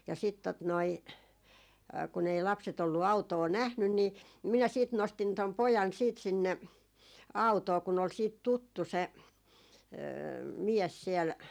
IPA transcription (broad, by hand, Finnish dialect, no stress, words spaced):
jɑ sit tot noi kun ei lɑpset olːu ɑutoː næhnyn ni minæ siːt nostin tom pojɑn siːt sinːe ɑutoː kun ol siːt tutːu se miɛs siɛl